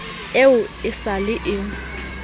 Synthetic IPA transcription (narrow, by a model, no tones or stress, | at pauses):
eʊɪsalɪʔɪ